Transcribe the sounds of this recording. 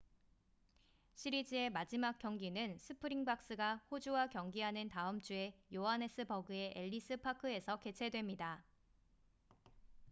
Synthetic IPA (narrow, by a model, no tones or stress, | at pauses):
ɕʰiɾid͡ʑie̞mad͡ʑimak͈jʌŋɡinɯnsʰɯpʰɯɾiŋbak̚s͈ɯɡahod͡ʑuwakjʌŋɡiɦanɯntaɯmt͡ɕ͈ue̞joɦane̞s͈ʰɯbʌɡɯe̞ʔeʎːis͈ʰɯpʰakʰɯe̞sʰʌke̞t͡ɕʰe̞dwe̞mɲida